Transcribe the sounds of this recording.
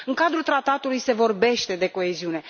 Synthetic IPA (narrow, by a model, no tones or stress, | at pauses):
ɨŋkad̪ɾult̪ɾat̪at̪ulujse̞vo̞rbe̞ʃt̪e̞d̪e̞ko̞e̞ziune̞